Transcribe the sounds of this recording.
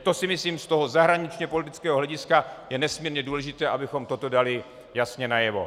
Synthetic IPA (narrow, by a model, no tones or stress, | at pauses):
t̪o̞sɪmɪsliːmst̪oɦo̞zaɦɾaɲɪt͡ʃɲɛpo̞lɪt̪ɪt͡skɛːɦoɦlɛɟɪskajɛnɛsmiːɾɲɛduːlɛʒɪt̪ɛːʔabɪxo̞mt̪o̞t̪o̞dalɪ | jasɲɛnajɛvo̞̰